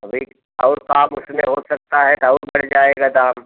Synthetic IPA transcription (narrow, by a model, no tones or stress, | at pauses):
ɐbʱiː | ɔːɾkaːmʊsneɦosɐk̚t̪aɦɛt̪ɔːɾbɐɽ̤d͡ʒaːeːɡad̪aːm